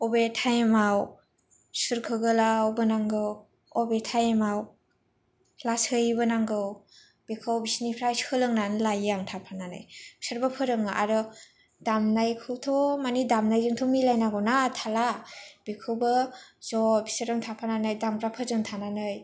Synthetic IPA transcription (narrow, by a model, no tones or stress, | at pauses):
ɔbetʰajemaw | suɾkʰɯɡɯlawbɯnaŋɡɯw | ɔbetʰajemaw | lasɯjbɯnaŋɡɯw | b̥ikʰɯwbisnipʰɾajshɯlɯŋnanlajaŋtʰapʰananɯ̰jbisɯɾbapʰɯɾɯŋaʔa̰ɾɯ | damnajkʰɯwtʰɔmanidamnajzɯŋtʰomilajnaɡɔnatʰalab̥ikʰɯwbɯzɔbisɯɾɯŋtʰapʰananɯjdamkʰɾapʰɯzɯŋtʰananɯj